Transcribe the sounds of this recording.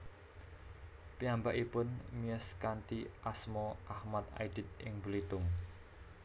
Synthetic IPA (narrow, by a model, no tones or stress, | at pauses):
piambaʔipʊnmiəskant̪iʔasmɔʔahmat̪̚a̰jɖ̥i̤t̪̚ɪ̰ŋbulit̪ʊm